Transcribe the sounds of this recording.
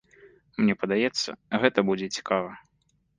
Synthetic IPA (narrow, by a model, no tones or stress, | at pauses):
mnʲɛpɐd̪ajɛt̪sːɐ̰ɣɛt̪ɐbud͡zʲɛt͡sʲi̥kavɐ